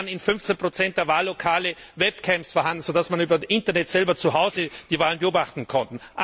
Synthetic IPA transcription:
ənɪnfʏnft͡senpʁ̥ot͡sɛnt̚d̥eːɐvaːlːokʰaːləvɛpkʰɛmpsfɔɐɦandn̩z̥odasmanyːbɐʔɪntɐnɛtz̥ɛlbɐt͡suɦaʊzəd̥iːvaːlənbəoːbaχtn̩kʰɔntn̩ʔa

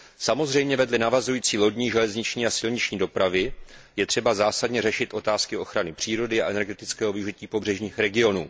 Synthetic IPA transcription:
samo̞zrɛjmɲɛvɛdlɪnavazujiːt͡siːlo̞dɲiːʒɛlɛzɲɪt͡ʃɲiːasɪlɲɪt͡ʃɲiːdo̞pɾavɪjɛt̪r̝̥ɛbazaːsadɲɛrɛʃɪt̪ʔo̞t̪aːskɪo̞xɾanɪpr̥iːɾo̞dɪaʔɛnɛɾɡɛt̪ɪt͡skɛːɦo̞vɪuʒiciːpo̞br̝ɛʒɲiːxɾɛɡɪo̞nṵː

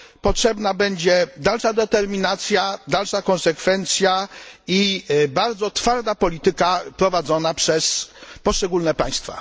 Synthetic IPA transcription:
pɔtʂɛbnabɛɲd͡ʑɛd̪alʂad̪ɛt̪ɛɾmʲinat̪sʲjad̪alʂakɔ̃nsɛkfɛnt̪sʲjaibaɾd̪zɔt̪faɾd̪apɔlʲit̪ɘkapɾɔvad̪zɔnapʂɛspɔʂt͡ʂɛɡulnɛpaj̃st̪fa̰

